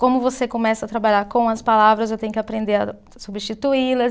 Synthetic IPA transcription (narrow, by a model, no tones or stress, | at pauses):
kõmʊvosekõmɛsɐt̪ɾabaʎaɾkõw̃ɐspalavɾɐzewt̪ẽɲʊkɪapɾẽnd̪eɾɐ̰ | subiʃt͡ʃit̪uilɐ